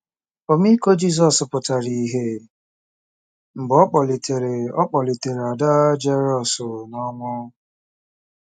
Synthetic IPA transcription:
ɔ˨mi˦ko˦d͡ʒi˦˨s̬ɔ˨spʊ˨ta˨ɾi˨ɦe˦ | m̩˨ɡ͡bɔ˦k͡pɔ˨li˨tʰe˨ɾe˨ɔ˦k͡pɔ˨li˨te˨ɾe˨a˨da˦d͡ʒe˦ɾɔ˦˨sʊ˨nɔ˦mʊ˦

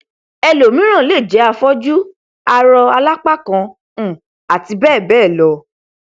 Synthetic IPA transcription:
ɛ˧lo˨mĩ˦ɾ̃ã˦˨le˦˨d͡ʒɛ˨˦a˧fɔ˦d͡ʒu˦ | a˧ɾɔ˧a˧la˦k͡pa˦˨kã˧˨ | a˨ti˧bɛː˦˨bɛː˦˨lɔ˨˦

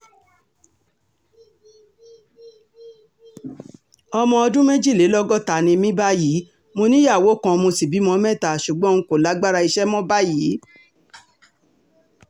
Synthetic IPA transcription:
ɔ˧mɔ̃˧ɔ˧dũ˦mẽ˦d͡ʒi˦˨le˨˦lɔ˦ɡɔ˦˨ta˨nĩ˧mĩ˦ba˦ji˨˦ | mo˧nĩ˦ja˦˨wo˨˦kã˧mo˧si˨bi˨˦mɔ̃˧˦mɛ̃˦˨ta˨ʃu˨ɡ͡bɔ̃˦ŋ̩̃˧ko˨la˨˦ɡ͡ba˦ɾa˧i˧ʃɛ˦mɔ̃˦ba˦ji˨˦

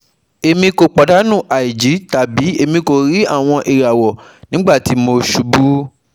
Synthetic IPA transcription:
e˧mĩ˧ko˧k͡pa˨da˨˦nũ˦˨ʔa˨i˨d͡ʒi˨˦ta˨bi˨˦e˧mĩ˧ko˨ɾi˦a̰˦˨w̃ɔ̃˧ʔe˨ɾa˨wɔ˨ | nĩ˨˦ɡ͡ba˦˨ti˨˦mo˧ʃu˧bu˦

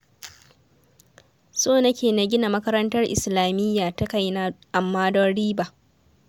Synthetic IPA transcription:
soː˦˨nɐ˦kʲeː˨na˨ɡʲɪ˦na˨mɐ˦kɐ˦ɾɐ˦ntɐ˦rʔɪ̰˨slaː˨mɪ˦jːaː˨ta˦ka˦jna˦ʔa˨mːaː˦dɔ˦ɽiː˦ba˨

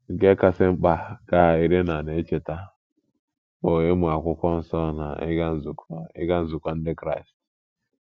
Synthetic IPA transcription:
ɡe˦ka˦se˦m̩˦k͡pa˦ɡa˦˨i˦ɾe˦na˨ne˨˦t͡ʃe˨ta˦ | o˨e˦mu˨a˨kʷʊ˦kʷɔ˦n̩˦sɔ˦na̰˨ɪ̰˦ɡa˦n̩˦zu˨kɪ̰˦ɡa˦n̩˦zu˨kʷa˦n̩˦de˦kɾa̰˦i˨st

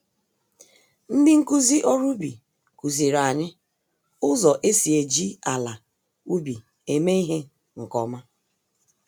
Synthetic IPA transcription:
n̩˦dɪ˦ŋ̩˦ku˦zi˦ʔɔ˦ɾu˦bi˨ | ku˨zi˨ɾa˨ɲɪ˦ | ʊ˦zɔ˨ʔe˦si˨e˨d͡ʒi˦a˨la˨ | u˦bi˨ | e˨me˦i˦ɦe˦ | ŋ̩˨kɔ˨ma˦

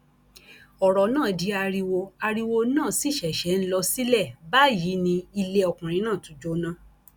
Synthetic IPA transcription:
ɔ˨ɾɔ˨nãː˦˨di˨˧˦a˧ɾi˧wo˧a˧ɾi˧wo˧nãː˦˨si˨˦˨ʃɛ˨ʃɛ˨˦n̩˦lɔ˧si˦lɛ˦˨ba˦ji˨˦nĩ˧i˧le˧˦ɔ˧˨kũ˨ɾ̃ĩ˧˦nãː˦˨tũ˨˦d͡ʒo˦nã˦

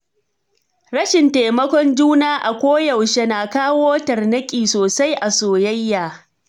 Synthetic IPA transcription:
ɽɐ˦ʃɪ˨nta˨jmɐ˦kʷɔ˦nd͡ʒuː˦naː˦ʔa˨kʷoː˦jɐ˨wʃe˦naː˨kaː˦woː˦tɐ˨rnɐ˦kʲʼiː˨soː˨sa˦jʔa˨soː˨jɐ˦jːaː˨

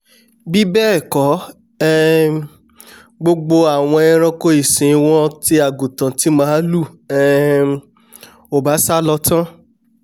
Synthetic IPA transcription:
bi˦bɛ˦˨kɔ˨˦ | ɛ˦ | ɡ͡bo˧ɡ͡bo˧a˨w̃ɔ̃˧ɛ˧ɾ̃ɔ̃˧ko˧˦i˦˨sĩ˨˧w̃ɔ̃˦ti˧˦a˨ɡũ˨tã˨ti˨˦mã˦lu˦˨ | ɛ˧ | o˨ba˨˦sa˦lɔ˧tã˦

